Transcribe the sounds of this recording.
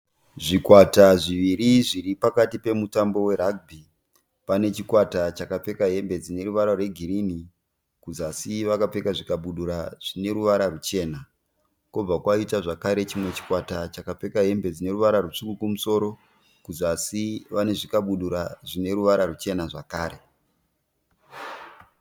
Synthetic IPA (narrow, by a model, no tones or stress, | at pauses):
ʐikwataʐiʋiriʐiripakatipe̞mutambo̞we̞ɾaɡ̚bʱi | pane̞t͡ʃikwatat͡ʃakap͡fe̞kaɦe̞mbe̞d͡zine̞ruʋaɾarwe̞ɡʱirini | kuzasiʋakap͡fe̞kaʐikaɓuɗuɾaʐ̥ine̞ɾuʋaɾarut͡ʃe̞ːna | kob͡vakwaitaʐakaɾe̞t͡ʃimwe̞t͡ʃi̥kwatat͡ʃakap͡fe̞kaɦe̞mbe̞d͡zine̞ɾuʋaɾaruʂukukumuso̞ɾo̞ | kuzasiʋane̞ʐikaɓuɗuɾaʐine̞ɾuʋaɾarut͡ʃe̞naʐakaːɾe̞